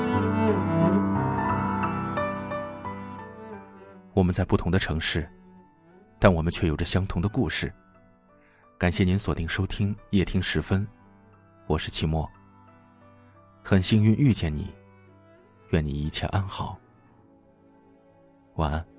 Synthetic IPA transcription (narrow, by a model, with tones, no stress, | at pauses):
wɔ˨˩mə˦nt͡sa˥˧ɪpu˥˩t̪ʰʊ˧˥ŋd̪ə˧ʈ͡ʂʰɤ˧˥ŋʂɻ̩˥˩ | t̪a˥˩nwɔ˨˩mə˦nt͡ɕʰɥɛ˥˩jo˨˩ʊʈ͡ʂə˧ɕjɑ˥ŋt̪ʰʊ˧˥ŋd̪ə˧ku˥˧ʂɻ̩˥˩ | ka˨˩nɕjɛ˥˩ni˧˥nswɔ˨˩t̪i˥˩ŋʂo˥ʊt̪ʰi˥ŋjɛ˥˩t̪ʰi˥ŋʂɻ̩˧˥fə˥n | wɔ˨˩ʂɻ̩˥˩t͡ɕʰi˧˥mwɔ˥˩ | xə˨˩nɕi˥ŋy˥˧ny˥˧t͡ɕjɛ˥˩nnḭ˨˩˦ | ɥɛ˥˩ni˨˩i˧˥˩t͡ɕʰjɛ̰˥˧ʔa˥nxɑ˨˩˦ʊ | wa˧˥